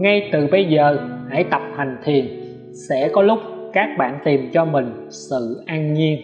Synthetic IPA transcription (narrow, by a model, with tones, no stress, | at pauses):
ŋa˧jt̪ɨ˨˩ɓə˧jzəː˨˩ha̰˧˩jt̪ə˨˩p̚ha˨˩ŋ̟t̪ʰi˨˩ən | sɛ̰˧˥kɔ˨˦lʊ˦˥k͡p̚kaː˦˥k̚ɓa̰ː˧˨nt̪i˨˩mt͡ɕɔ˧mï˨˩ŋ̟ | sɨ̰˧˨ʔaː˧nŋi˧ən